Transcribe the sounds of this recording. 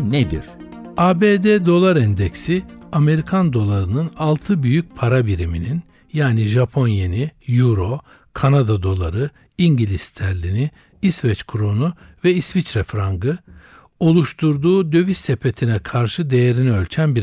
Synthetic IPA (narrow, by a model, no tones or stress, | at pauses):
ned̪ḭɾ̥aːbeːd̪ed̪o̞lˠaɾɛnd̪ɛcsiame̞ɾikʰand̪o̞lˠaɾɯnɯnalˠt̪ʰɯbyjyc̚pʰaɾabiɾiminin | jaːniʒapʰo̞njenijuɾo̞ | kʰanad̪ad̪o̞lˠa̰ɾɯ | iɲɟilʲist̪ʰæɾlʲini | isvɛt͡ʃkʰuɾonuvɛisvit͡ʃɾɛfɾaŋɡɯ | o̞lˠuʃt̪ʰuɾd̪uːd̪ø̞vist̪epʰet̪ʰinɛkʰaɾʃɯd̪e̞jeɾinɛø̞lʲt͡ʃʰænbiɾ